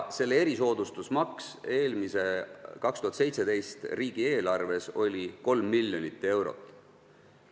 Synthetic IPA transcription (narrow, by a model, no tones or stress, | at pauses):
se̞lːee̞ɾiso̞ːd̪̥ust̪usmɑkse̞ːlmise̞kɑkst̪uhɑt̪se̞jt̪se̞d̪e̞jst̪riːɡ̥ie̞ːlɑrve̞so̞lʲiko̞lmːilʲjo̞nit̪ːˑe̞wɾo̰t̪ːˑ